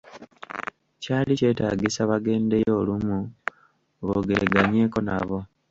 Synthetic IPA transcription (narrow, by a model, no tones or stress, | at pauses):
caːlice̞ːtaɡisaβaɡe̞ːnde̞jo̞ːlumu | βoɡḛɡaɲe̞ːko̞na̰βo̞